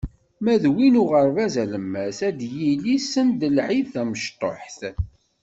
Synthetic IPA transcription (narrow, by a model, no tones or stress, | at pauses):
mæðwinʊʁəɾˤvæzæləmːæsæd̪jilisənd̪əlʕiθæməʃt̪ˤo̰ħθ